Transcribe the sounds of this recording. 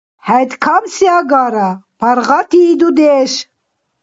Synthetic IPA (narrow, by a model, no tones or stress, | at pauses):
hɛjt̪kʰamsjaɡaɾapʰaɾʁat̪ʰiːd̪ud̪ɛʃ